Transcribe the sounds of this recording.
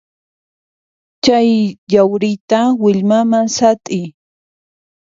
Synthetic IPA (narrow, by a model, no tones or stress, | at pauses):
t͡ʃajʎawɾɪt̪awɪʎmamasat̪ʼɪj